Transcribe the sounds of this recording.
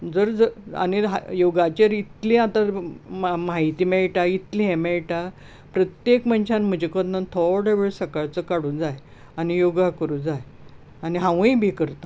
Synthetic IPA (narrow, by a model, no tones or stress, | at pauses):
d͡zəɾd͡zəa̰niɦa̰joɡat͡ɕeɾit̪lĩat̪a | maɦit̪iːmɛɭʈait̪lĩɦɛ̃mɛɭʈa | pɾət̪jekmənt͡ɕʰãnm̤əd͡ʑekɔd̪nant̪ʰɔɽeʋeɭsəkaɭt͡səkaɽũnd͡zaj | anijoɡakəɾũd͡zaj | aniɦãʋũibʱikəɾt̪a